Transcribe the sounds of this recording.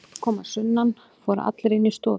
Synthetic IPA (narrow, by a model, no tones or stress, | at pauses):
kʰɔːmasʏnːan | fɔːɾa̰ʔa̰t̪lɾeɪnːist̪ɔː